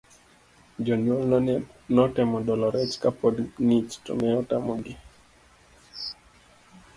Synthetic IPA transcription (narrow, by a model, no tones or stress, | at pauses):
d͡ʒɔnwolnɔnnɔtɛmɔdɔlɔɾɛt͡ʃkapodnit͡ʃtɔ̰nɛɔtamoɡɪ